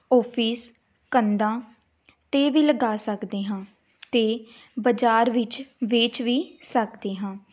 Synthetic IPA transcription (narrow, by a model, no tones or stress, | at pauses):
ɔːpʰiːs | kənd̪ãː | t̪eːʋiːləɡaːsəkd̪eːɦãː | t̪eː | bəd͡ʒaːɾʋɪt͡ʃʋɪeːt͡ʃʋiːsəkd̪eːɦãː